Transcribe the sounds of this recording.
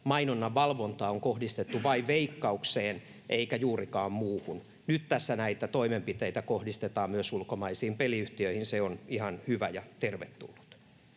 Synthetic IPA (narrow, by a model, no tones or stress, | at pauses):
mɑinonːɑʋɑlʋont̪ɑːoŋkohdist̪et̪ːuʋɑiʋʋeikːɑukseːn | ʔeikæjuːrikɑːmmuːhun | nyt̪t̪æsːænæit̪æt̪oimempit̪eit̪ækohdist̪et̪ɑːmmyøsulkomɑisiːmpeliyht̪iøihinseonihɑnhyʋæjɑt̪erʋet̪ːṵlːu̥t̪